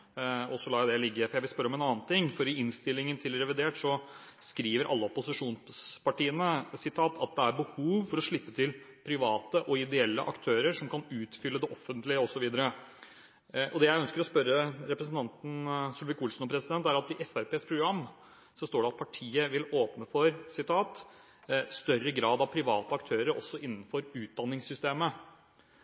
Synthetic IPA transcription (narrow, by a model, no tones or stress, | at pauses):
ɔsɔlɑːd̪ɛlɪɡːəfɔɾjæɪʋɪlspœɾːəɔmɛnɑːnt̪ʰɪŋːfɔɾɪɪnst̪ɪlːɪŋənt̪ʰɪlɾɛʋɪd̪eːʈʂɔ | skɾiːʋəɾʔɑ̰lːəɔpʊsɪʂuːnspɑʈiːənəsɪt̪ʰɑːt̪ʰɑt̪̚d̪ɛæɾbəhuːʋfɔɾɔʂɭɪpːət̪ʰɪlpʰɾɪʋɑːt̪əʔɔɪd̪ɛɛlːə̰ʔɑ̰kt̪ʰøːɾəɾʂɔmkɑnʉːt̪fʏlːəd̪ɛʔɔfənt̪lɪəɔsɔʋiːd̪əɾə | ʔɔd̪ɛjæɪœnskəɾɔspœɾəɾɛpɾəs̬n̩t̪ɑnt̪n̩sʉlʋɪkulsnɔpʰɾɛsɪd̪ɛnt̪æɾɑt̪ɪʔɛfæɾpeːspʰɾʊɡɾɑmː | sɔst̪oːɖɛɑt̪pʰɑʈʰiːəʋɪloːpnəfɔɾsɪt̪ʰɑːt̪ | st̪œrəɡɾɑːd̪ɑʋpʰɾɪʋɑːt̪əɑkt̪ʰøːɾəɾʔɔ̰sːɔʔɪnːn̩fɔɾʉːt̪̚d̪ɑnːɪŋsʏst̪eːmə